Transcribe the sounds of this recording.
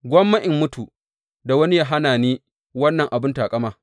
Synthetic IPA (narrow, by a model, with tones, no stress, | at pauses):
ɡʷɐ˦mːɐ˦ʔɪ˨mːʊ˦tʰu˨ | da˨wɐ˦ni˦jaː˦ɦa˦naː˨niː˦ | wɐ˦nːɐ˨ŋʔa˨bɪ˦ntaː˨kʼɐ˦maː˦˨